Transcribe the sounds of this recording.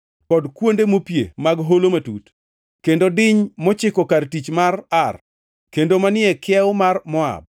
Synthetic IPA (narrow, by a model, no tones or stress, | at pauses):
kɔdkwondemopjḛmaɡɦolomatut | kendodɪɲmɔt͡ʃɪkɔkartit͡ʃmarar | kendomanɪɛkɪɛʊmarmɔa̰b̚